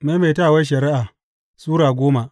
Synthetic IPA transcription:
ma˦ma˨jtaː˦˨wa˦jʃ̬ɐ˨ɾɪ˦ʔa˨ | suː˦ɽaː˨ɡʷoː˦ma˨ʔ

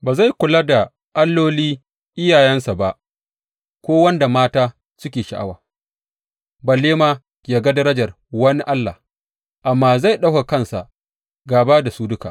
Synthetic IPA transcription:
baː˨za˦˨jkʷʊ˨la˦da˨ | ʔa˦lːoː˦liː˦ | ʔɪ˦jaː˨jɛ˦nsa˨ba˦ʔ | kʷoː˦wɐ˦nda˨maː˦taː˦ | sʊ˦kʲeː˨ʃa˨ʔa̰˦wa̰ː˨ | ba˨lːeː˦maː˦ | ja˨ɡa˦dɐ˦ɾɐ˦d͡ʒɐ˨r | wɐ˦ni˦ʔa˦lːa̰˨ | ʔa˨mːaː˦za˦˨jɗa˦wka˨kɐ˦nsa˨ | ɡaː˨baː˦da˨suː˦dʊ˦ka̰ː˨ʔ

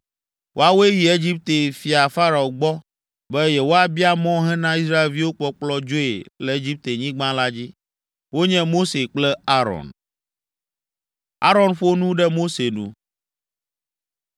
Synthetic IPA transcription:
wʔo˦a˦wo˦e˦ji˨e˦d͡ʑi˦p̚t̪e˨fi˨a˨fa˦ɾa˨o˨ɡ͡bɔ˦ | bɛ˦jɛ˦wo˦a˨bi˦a˦mɔ̃˦ɦɛ̃˦nã˦i˦s̬ɾa˦e˨lvi˦wo˦k͡pɔ˦k͡plɔ˦d͡ʒo˦e˨lɛ˨e˦d͡ʑi˦p̚t̪e˨ɲĩ˦ɡ͡bã˦la˦d͡ʑi˦ | wo˦ɲɛ̃˦mo˦se˨k͡plɛ˦a˦ɾɔ̰̃˨n | a̰˦ɾɔ˨nɸo˦nũ˦ɖɛ˦mo˦se˨nṵ̃˦

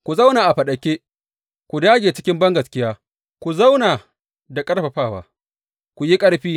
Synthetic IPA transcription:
kʷu˨za˦wnaː˨ʔa˨ɸɐ˨ɗɐ˨kʲe˦ | kʷu˨daː˦ɡʲeː˨t͡ʃɪ˦kʲɪ˦mbɐ˦ŋɡɐ˨skʲɪ˦jaː˦ | kʷu˨za˦wnaː˨ | da˨kʼɐ˦ɽɸɐ˨ɸaː˦˨wa̰ː˦ | kʷu˨ji˦kʼɐ˦ɽɸiː˦

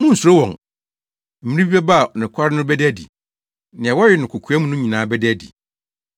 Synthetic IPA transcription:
mʊ̃˦n̩˨su˨ɾo˦wɔ̃˨ŋ | m̩˨mĩ˦ɾi˦bi˦bɛ˦ba˦˨ɔ˨nɪ̃˨kʷʰa˦ɾɪ˦nʊ̃˦bɛ˦dæ˦dḭ˨ | nɪ̃˨ɛ˨wɔ˦ɪ˨nʊ̃˨kʰʊ˨kʰu˨æ˦mũ˦nʊ̃˦ɲĩ˨nãː˨˦bɛ˦dæ˦˨dḭ˨

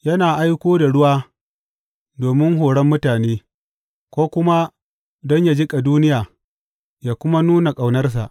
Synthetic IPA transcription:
jɐ˦naː˨ʔa˦jkʷoː˦da˨ɽʊ˦waː˦ | doː˨mɪ˦ŋɦoː˨ɽɐ˦mːʊ˦taː˨neː˦ | kʷoː˦kʷʊ˦ma˦ | dɔ˦ɲja˦d͡ʒɪ˦kʼa˨duː˦nɪ˦jaː˨ | jaː˦˨kʷʊ˦ma˦nuː˦na˨kʼa˨wnɐ˦rs̬a˨ʔ

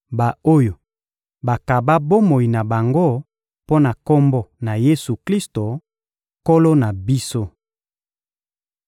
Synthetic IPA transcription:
ba˨o˦jo˨ | ba˨ka˨ba˦bo˦mo˨i˨na˨ba˨ŋɡo˦ | po˦na˨ko˦mbɔ˦na˨je˦su˨kli˦sto˨ | ko˦lo˦na˨bi˦so˦

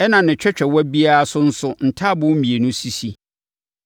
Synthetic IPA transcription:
ɛ˦nã˨nɪ̃˨t͡ɕᶣɛ˦t͡ɕᶣɛ˨wɔ˦bi˦a˦a˦sʊ˦n̩˦sʊ˦n̩˨tʰa˦bʊ̃˦mĩ˨e˨nʊ̃˦si˦si˦

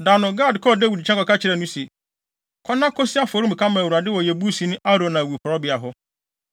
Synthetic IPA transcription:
daː˨nʊ̃˨ɡaː˦˨dkʰɔ˦˨da˦wi˨dt͡ɕʰɛ̃˦kɔ˨kʰa˦t͡ɕʰɪ˨ɾɛ˨nũ˦si˨ | kʰɔ˦nːã˦kʰɔ˦sɪ˦a˦fo˨ɾũ˦m̩˨kʰa˦mã˨wu˨ɾa˨dɪ˦wɔ˨jɛ˨bu˦sĩ˨˦nʊ̃˦ʔa˦ɾõ˨nã˨wu˨kʰʊ˨ɾɔ˦bɪ˨˦a˨ɦʊ˦

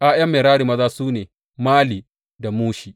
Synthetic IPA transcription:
ʔaː˦jɐ˦mːeː˨ɾaː˦ɾi˨mɐ˦zaː˦suː˦neː˨ | maː˦liː˨ | da˨muː˦ʃi˨

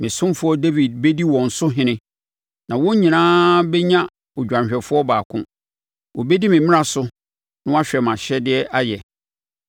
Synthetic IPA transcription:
mɪ̃˨sʊ̃˦mfʊ˦ɔ˦de˦vi˨d̚be˦di˦wɔ̃˨n̩˨sʊ˦ɦɪ̃˦nɪ̃˦ | nã˨wɔ̃˦ɲĩ˨nãː˦bɛ˦ɲã˦ | ɔ˨d͡ʑᶣã˨nɕᶣɛ˨fʊ˦ɔ˦baː˨kʰʊ̰̃˦ | wɔ˨be˦di˦mɪ̃˨mɪ̃˦ã˨sʊ˦ | nʊ̃˦a˦ɕᶣɛ˨mã˨ɕɛ˦dɪ˦ɛ˦a˦jɛ˨

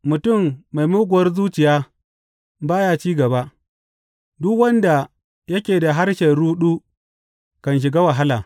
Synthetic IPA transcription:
mʊ˨tʊ˦˨mːa˨jmʊ˦ɡʷʊ˨wɐ˦rzuː˦t͡ʃɪ˨jaː˦ | baː˦ja˦t͡ʃiː˦ɡɐ˨ba˦ʔ | dʊ˦kwɐ˦nda˨ | jɐ˦kʲeː˨da˨ɦa˦rʃɛ˨nɽuː˦ɗuː˦ | kɐ˨nʃ̬ɪ˨ɡaː˦wa˨ɦa˦laː˨

